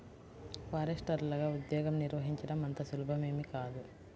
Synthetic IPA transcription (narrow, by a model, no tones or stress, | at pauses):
paːɾɐʂʈɐɾulɐɡaːud̪jɔːɡɐmniɾʋɐɦiɲt͡ʃɐɖɐmɐnt̪ɐsulubʱɐme̞ːmikaːd̪u